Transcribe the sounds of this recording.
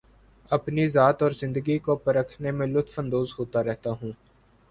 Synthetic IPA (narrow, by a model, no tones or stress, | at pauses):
ɐpnizaːt̪ɔːɾzɪ̃nd̪əɡikopɐɾəkʰnemẽlʊt̪fə̃nd̪oːzɦoːt̪aɾɛɦt̪aɦũː